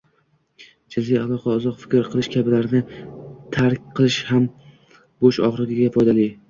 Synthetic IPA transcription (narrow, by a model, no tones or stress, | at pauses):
d͡ʒɪzijalˠɒqʰaʊzɒqfɪ̥kʲɾqʰɨlˠɪʃkʲʰabɪlaɾnɪt̪ʰaɾkʲqʰɨlˠɪʃham | boʃɒ̰χɾɪɡʲɪɡʲafɒjd̪alɪ